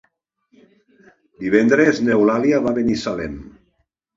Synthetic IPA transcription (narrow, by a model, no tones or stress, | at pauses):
d̪iβ̞ɛnd̪ɾeznewlaliaβaβenisalḛm